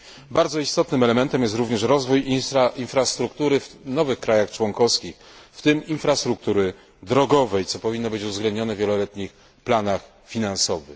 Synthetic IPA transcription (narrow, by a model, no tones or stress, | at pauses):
baɾd̪zɔist̪ɔt̪nɘmɛlɛmɛnt̪ɛmjɛst̪ɾuvɲɛʂɾɔzvujiinfɾast̪ɾukt̪uɾɘvnɔvɘxkɾajaxt͡ʂwɔŋkɔfskʲix | ft̪ɘminfɾast̪ɾuk̚t̪uɾɘ | d̪ɾɔɡɔvɛjt̪sɔpɔvʲinːɔbɘt͡ɕuvzɡlɛnd̪ɲɔnɛvʲjɛlɔlɛt̪ɲix | planax | fʲinansɔvɘ̰